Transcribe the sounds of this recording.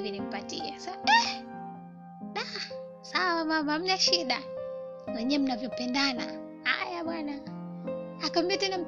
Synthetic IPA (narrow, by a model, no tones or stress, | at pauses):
vinim̩patḭasaɛ | ɗa | sawamamam̩naʃiɗa | wɛɲɛm̩navjɔpɛndana̰ | ha̰jaɓwana | akɔmbɛatɛnam̩